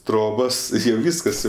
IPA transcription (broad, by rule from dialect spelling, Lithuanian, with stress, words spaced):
ˈtroːboːs ɪr jɛʊ ˈʋʲiːskɐs jɛʊ